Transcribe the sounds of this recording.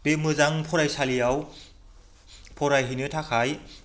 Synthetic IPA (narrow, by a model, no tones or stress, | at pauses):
pemɯzaŋpʰɔɾajsalijaw | pʰɔɾajɦinɯtʰakʰaj